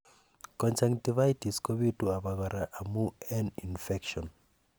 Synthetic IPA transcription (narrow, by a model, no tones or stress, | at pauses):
kɔ̃nt͡ʃãŋtivaitiskoβituaβaɣaɾaʔamuɛninfɛkʃɔ̃n